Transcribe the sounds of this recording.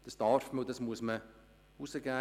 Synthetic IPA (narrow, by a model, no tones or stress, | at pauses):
d̥ɑsd̥ɑɾfməʊdɑsmuəsmə | usəɡæː